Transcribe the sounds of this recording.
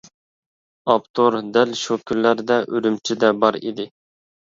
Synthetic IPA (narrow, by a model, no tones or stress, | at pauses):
ɑpt̪ʰoɾd̪ælʃukʲʰylːæɾd̪ɛʔøɾymt͡ʃʰid̪ɛbɑɾḭd̪ɪ